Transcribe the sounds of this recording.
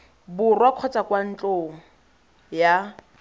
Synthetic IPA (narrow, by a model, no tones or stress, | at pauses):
bʊrwaq͡χʰɔt͡sʼakwan̩t͡ɬʼoŋ̩ | ja